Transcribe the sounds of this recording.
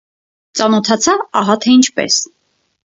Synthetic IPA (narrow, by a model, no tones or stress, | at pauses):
t͡sɑnɔt̪ʰɑt͡sʰɑɑɦɑt̪ʰɛint͡ʃʰpɛ̰s